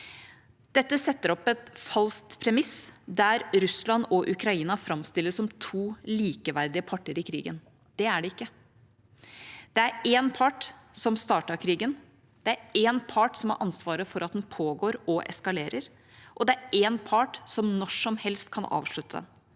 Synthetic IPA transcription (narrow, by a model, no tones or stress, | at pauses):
d̪̥ɛt̪ːəsɛt̪ːəɾɔpːɛt̪fɑlst̪pʰɾɛmɪsd̪æɾɾʉslɑnɔʔʉkɾɑiːnɑfɾɑmst̪ɪlːəsɔmt̪ʰuːliːkəʋæɾd̪ɪəpʰɑʈːəɾɪkʰɾḭːɡə̰n | d̪̥ɛæɖɛɪkːə | d̪̥ɛæɾenpʰɑʈsɔmst̪ɑːʈɑɾkʰɾiːɡən | d̪̥ɛæɾeːnpʰɑʈsɔmɑ̰ɾʔɑnsʋɑːɾəfɔɾʔɑt̪̚d̪ɛnpʰoːɡoːɾɔʔɛ̰skɑleːɾəɾ | ʔɔd̪ɛæɾenpʰɑʈsɔmnɔʂɔmhɛlst̪̚kʰɑnʔɑ̰ːʋʂɭʉt̪ːəd̪ɛ̰n